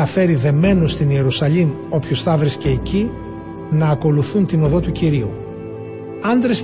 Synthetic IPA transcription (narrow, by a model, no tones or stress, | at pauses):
ɐfe̞ɾiðe̞me̞nust̪inie̞ɾusɐʎim | o̞pçosθɐvɾisce̞ːci | nɐːko̞luθunt̪ino̞ðo̞t̪uciɾiu | ɐnd̪ɾes